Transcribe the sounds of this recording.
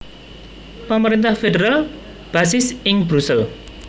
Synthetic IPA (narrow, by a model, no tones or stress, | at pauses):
pəməɾint̪ahfeɖeɾal | b̥asɪsɪŋbɾusəl